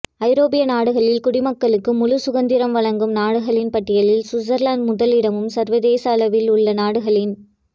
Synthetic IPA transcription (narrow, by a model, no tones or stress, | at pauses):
ɐɪɾoːpɪjɐnaːɽɯɣɐɭɪlkʊɽɪmɐkːɐɭɯkːɯmʊlʊsʊɣɐnd̪ɪɾɐmʋɐɭɐŋɡɯmnaːɽɯɣɐɭɪnpɐʈːɪjɐɭɪlsʊzɐɾlaːnɖmʊðɐlɪɽɐmɯmsɐɾʋɐðeːsaːlɐʋɪlʊɭːɐnaːɽɯɣɐɭɪn